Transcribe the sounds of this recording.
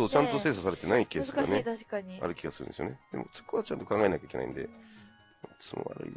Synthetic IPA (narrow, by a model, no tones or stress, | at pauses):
oːt͡ɕãnt̪ose̞ːsosaɾe̞t̪e̞naikeːsaneaaa̰ɾɯ̟kʲiɡasɨɾɯ̟nd̪sɨjoned̪̥e̞mʔo̞t͡so̥koβat͡ɕã̰nt̪o̞kãŋɡae̞nakʲaike̞naḭ̃nd̪e̞̰ | ot͡sɨmo̰a̰ɾɯ̟ḭ